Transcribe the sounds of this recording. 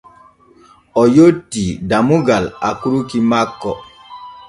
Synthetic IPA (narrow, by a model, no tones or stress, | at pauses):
ɔjotːidamuɡala̰kuɾukimakːɔ